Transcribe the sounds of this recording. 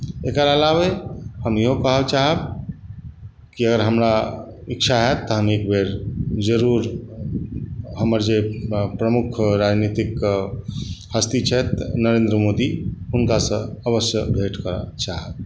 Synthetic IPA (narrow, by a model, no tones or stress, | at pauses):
ekəɾalabehəmjiɦokəɦəbt͡ʃaɦəb | kiəɡəɾɦəmɾaik̚t͡ʃʰaɦɛt̪ːəɦəmekbʱeɾd͡ʒəɾuɾ | ɦəməɾd͡ʒepɾəmukʰɾad͡ʒnit̪ik | həst̪it͡ʃʰɛt̪nəɾẽnd̪ɾəmod̪iɦunkasə̃əβəsjəbʱeʈkəɾə̰t͡ʃaɦəb̚